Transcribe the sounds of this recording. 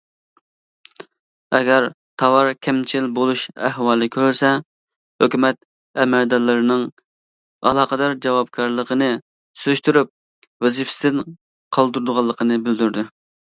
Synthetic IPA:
ɛɡʲɛɾ | t̪ʰɑwɑɾkʲʰɛmt͡ʃʰilbolˠuʃæhwɑːlˠɨkʲʰøɾsɛ | høkʲymɛt̪̚ | ɛmɛɾd̪ɑlˠːɨɾɨnɨŋ | ɑ̰lˠɑːqəd̪ɑɾd͡ʒɛwɑp̚kʲʰɑɾlˠəqʰənɨ | syzyʃt̪yɾyp̚ | wezɪfst̪ɪn | qʰɑlˠd̪uɾd̪ʊʁɑlˠːəqʰənɨbɪld̪yɾd̪y

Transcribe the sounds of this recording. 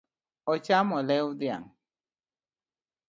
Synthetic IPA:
ɔt͡ʃamɔlɛwud̪ja̰ŋ

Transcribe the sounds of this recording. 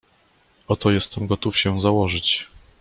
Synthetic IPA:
ɔt̪ɔjɛst̪ɛmɡɔt̪ufɕɛzawɔʐɘt͡ɕ

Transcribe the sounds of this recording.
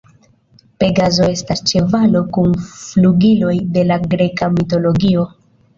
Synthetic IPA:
pe̞ɡazo̞e̞stast͡ʃe̞valo̞kunfluɡilo̞jde̞laɡɾe̞kamito̞lo̞ɡio̞

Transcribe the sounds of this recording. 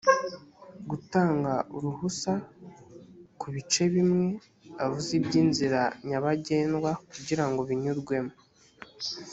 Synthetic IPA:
ɡutaːŋɡauɾuhusa | kuβit͡ʃe̞βimŋe̞ | avuzibɟiːnziɾaɲaβaɟe̞ːnɡwakuɟiɾaŋɡo̞βiɲuɾɡwe̞mo

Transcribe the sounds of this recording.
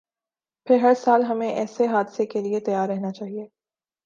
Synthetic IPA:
pʰɪɾɦɐɾsaːlɦɐmẽʔɛːseɦaːd̪sekeliet̪ɐjaːɾːɛɦnat͡ʃaːɦieː

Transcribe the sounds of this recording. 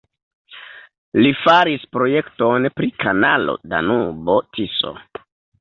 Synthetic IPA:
lifaɾispɾo̞je̞kto̞npɾikanalo̰da̰nubotiso̰

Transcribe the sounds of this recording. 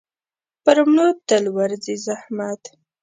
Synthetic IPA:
pəɾmnot̪əlwaɾzizahmat̪

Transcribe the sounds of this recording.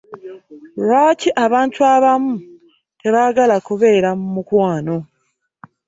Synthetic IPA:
ɾaːciʔaβaːntʰuaβamu | te̞βaɡalakuβe̞ːɾamumukwaːno̞

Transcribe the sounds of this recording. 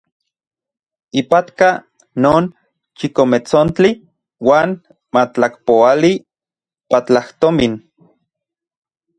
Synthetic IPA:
ipat̪ka | noːn | t͡ʃikomet͡sont͡ɬi | waːn | mat͡ɬakpoali | pat͡ɬaht̪omin

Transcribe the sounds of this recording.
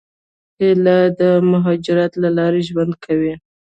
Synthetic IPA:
helad̪əmʊɦɑd͡ʒɪɾɑt̪lalɑɾeʒwand̪̚kʰawi

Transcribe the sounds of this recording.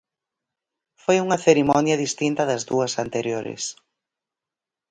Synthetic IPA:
fojuŋɐθeɾimɔnjɐðist̪int̪ɐðɐzðuɐsant̪eɾjoɾɪ̰s

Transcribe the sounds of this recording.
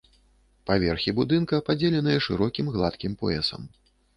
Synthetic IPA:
pavʲɛrxʲibud̪ɨnkɐpad͡zʲelʲɛnɐjɛʂɨɾɔkʲimɣlˠat̪kʲimpɔɛ̰sɐ̰m

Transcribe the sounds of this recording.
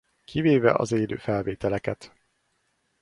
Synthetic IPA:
kʰiveːvɛ̰ʔɒ̰zeːlø̰ːfɛlveːt̪ɛlɛkɛt̪

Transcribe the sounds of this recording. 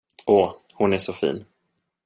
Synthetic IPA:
ʔoː | hʊnæʂɔfḭːn

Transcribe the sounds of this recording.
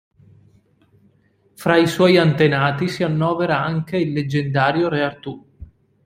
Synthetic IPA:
fɾaiswɔjant̪enaːt̪isianːɔːveɾaaŋk̟eilːed͡ʒːend̪aːɾjoɾeart̪u

